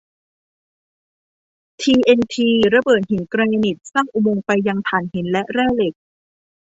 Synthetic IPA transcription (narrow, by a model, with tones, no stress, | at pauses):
t̪ʰiː˧ʔe˧nt̪ʰiː˧ɾa˧bɤː˨˩t̪̚hi˩˦nkɾaː˧ɲa˧ni˨˩t̪̚sa˥˩ŋʔu˨˧mo˧ŋpa˧jːa˧ŋt̪ʰaː˨˩˦nɦi˩˦nlɛ˦˥ʔɾɛː˥˩le˨˩k̚